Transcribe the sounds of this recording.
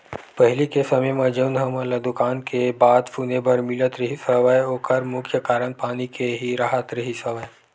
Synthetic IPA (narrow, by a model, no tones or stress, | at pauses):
pəɦlikesɐməjmɐd͡ʒənɦɐmɐlad̪ʊkaːnkebaːd̪fʰuːnebɐɾmɪlət̪ɾiɦisəʋəjoːkəɾmʊkʰjəkaːɾənpaːnikeɦiɾaɦət̪ɾɪɦisəʋəe